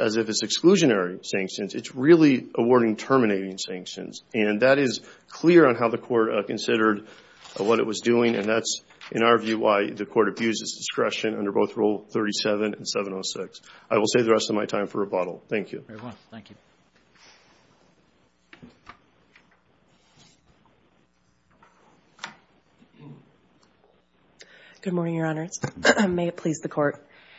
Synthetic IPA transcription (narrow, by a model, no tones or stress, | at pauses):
ʔɨzɨfɨtsɨkskluʒɨnɛɹisæ̃ŋkʃɨ̃nzɨtsɹɪlˠiʔəwɔɹɾɪ̃ŋtʰɜ˞mɨneɪɾɪ̃ŋsæ̃ŋkʃɨ̰̃nzɨ̃nðɨɾɪz̥kʰl̥ɪɹɨ̃nɦaʊðɨkʰɔɹt̚kɨ̃nsɪɾə˞d̚ | wʌɾɨ̰ʔ̚wʌzduɪ̃ŋɨ̰̃nðæts | ʔɨ̃ñaʊə˞vjʉwa̰ɪðɨkʰɔɹɾɨbjʉzɨsd̥ɨskɹɛʃɨ̃nʌ̃ndə˞boʊθɹoʊlˠθɜ˞ɾisɛvɨ̃nɨ̃n̩sɛvə̃noʊsɪksʔaɪwəlˠseɪðɨɹɛstʌvmaɪtʰãɪ̃ɱfə˞əbɑɾl̩ˠθæ̃ŋkʰjʉ̰ | ɡ̥ʊd̚mɔɹnɪ̃ŋjə˞ɑnə˞z̥meɪɨt̚pʰl̥izðɨkʰɔɹt̚